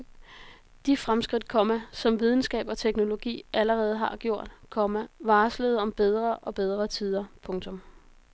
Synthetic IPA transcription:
d̥ifʁamsɡ̥ʁid̥̚kʰɒ̽mæsɒ̽mʋið̞ˠn̩sɡ̥ɛ̰ːb̥ɒ̽t͡sʰeɡ̥no̝lo̝ɡ̥ḭːʔæləʁɛːð̞̩ˠɦɑ̈ɡ̥jo̝ɐ̰d̥kʰɒmæʋɑ̈ːsleð̩ˠɒ̽mb̥eð̞ˠʁɐʔɒ̽b̥eð̞ˠʁɐt͡sʰið̞ˠɐpʰɔ̽ŋt͡sʰɔ̽m

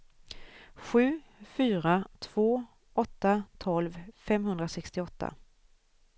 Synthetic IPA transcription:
ɧʉ̟ː | fyːɾat̪ʰv̥oː | ʔɔt̪ːat̪ʰɔlvfɛmɦɵnd̪ɾasɛkst̪ɪɔt̪ʰːa̰

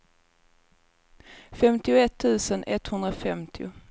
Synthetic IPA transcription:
fɛmt̪ɪʊɛt̪ʰːʉ̟ːsənʔɛt̪ːhɵnd̪ɾafɛmt̪ʰɪʊ̰

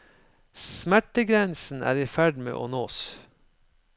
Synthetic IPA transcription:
smæʈəɡɾɛnsn̩ʔæ̰ːɾiːfæɖmḛːʔoːnoːs

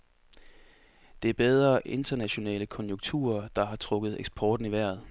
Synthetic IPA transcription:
d̥e̝æɐb̥eð̞ˠʁɐʔe̝nd̥ɐnæɕo̝nɛ̰ːləkʰɒ̽njoŋt͡sʰṵːɐd̥ɑ̈ɦɑ̈t͡sʰʁɔ̽ɡ̥ð̩ˠeɡ̥sb̥ʰɒːd̥n̩iʋæɐ̰ð̞̩ˠ

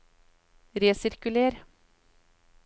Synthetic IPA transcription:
ɾeːsɪɾkʉleːɾ

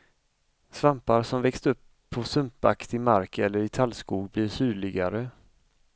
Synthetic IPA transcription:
svampaɾsɔmvɛkst̪ɵpʰːɔsɵmpa̰kt̪ɪmaɾkɛlːəɾɪt̪ʰalskuːɡblɪʂyːɭɪɡaɾə

